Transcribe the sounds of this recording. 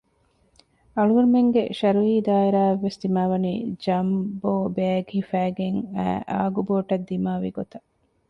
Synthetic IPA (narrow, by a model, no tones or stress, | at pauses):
ɐɭuuɾumeŋɡḛʃɐɾuɦiːd̪aːeɾaːɐʋːesd̪imaːʋɐnḭːd͡ʒɐmboːbeɡhifæːɡeŋæ̰ːʔa̰ːɡuboːʈɐd̪ːimaːʋḭɡot̪ɐ